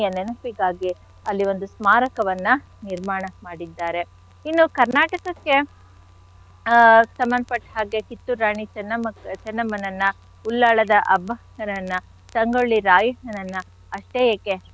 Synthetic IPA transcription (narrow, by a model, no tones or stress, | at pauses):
jɐnenupiɡaːɡi | ɐlːiʋo̞nd̪usmaːɾɐkɐʋɐnːɐ | niɾmaːɳɐmaːɽid̪ːaːɾe̞ | inːukɐɾnaːʈɐkɐkːe̞ | sɐmːɐnd̪ɐpɐʈːhaːɡekit̪ːuɾaːɳit͡ʃɐnːɐmɐt͡ʃɐnːɐmɐnɐnːɐ | ulːaːɭɐd̪ɐʔɐbʱɐ | ɐnɐnːɐ | sɐŋɡoɭːiɾaːjɐɦɐnɐnːɐ | ɐʂʈeːjekːe